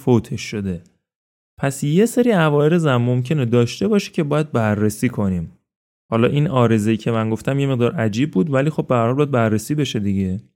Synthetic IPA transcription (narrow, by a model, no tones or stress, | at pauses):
fot̪ʰe̞ʃːo̞d̪e̞ | pʰæsje̞seɾiːævɒːɾezæmːo̞mcʰe̞ne̞d̪ɒːʃt̪e̞bɒːʃe̥cʰe̞bɒːjæd̪̚bærːesiːkʰo̞nim | hɒːlɒːʔiːnʔɒːɾe̞zejiːcʰe̞mænɡo̞ft̪æmjeme̞ɣd̪ɒːɾʔæd͡ʒiːb̚ːuːd̪væliːxo̞b̚behæɾhɒlbɒjæd̪̚bærːesiːbe̞ʃe̞d̪iɟe̞